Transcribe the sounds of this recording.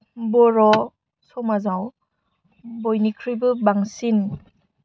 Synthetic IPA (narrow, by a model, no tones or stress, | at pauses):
bɔɾɔ | sɔmazaw | bɔjnikʰɾibɯbaŋsin